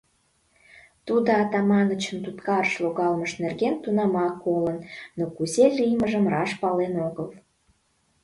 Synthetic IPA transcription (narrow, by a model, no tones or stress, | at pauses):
t̪ud̪oɑt̪ɑmɑnət͡ɕəmt̪ut̪kɑɾəʃloɣɑlməʃnerɣent̪unɑmɑkːolənːokuzelʲijməʒəmrɑʃpɑlenoɣəl